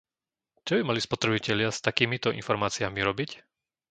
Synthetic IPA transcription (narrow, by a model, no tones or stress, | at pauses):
t͡ʃɔbimalispɔt̪ɾɛbicɛʎɪast̪akiːmit̪ɔḭnfɔɾmaːt͡siamiɾɔbic